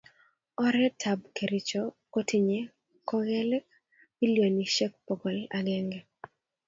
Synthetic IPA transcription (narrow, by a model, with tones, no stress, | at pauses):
ɔ˦ɾɛ˦tʰa˨bke˨ɾɪ˨t͡ʃɔko˦tʰi˨ɲe˦ | kɔ˦ɣɛ˦lɛ˦k | bi˦ljo˨ni˨ʃɛ˦k̚pɔ˨ɡɔ˨la˨ɡɛ˦ŋɡɛ˨